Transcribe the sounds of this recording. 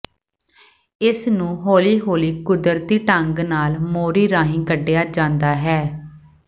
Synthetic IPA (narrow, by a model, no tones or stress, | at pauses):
ɪsnũːɦoːliːɦoːliːkʊd̪əɾt̪iːʈəŋɡnaːlmoːɾiːɾãːɦĩːkəɖejaːd͡ʒãːnd̪aːɦɛː